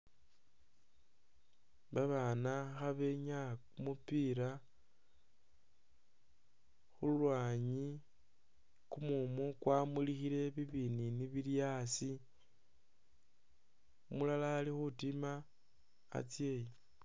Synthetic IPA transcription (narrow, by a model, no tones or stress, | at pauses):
βaβanaxaβeɲakumupiɾa | xulwaːɲi | kumumukwaːmulixile̞βiβininiβiljasi | mulalaːlixutima̰ː | t͡sje̞ji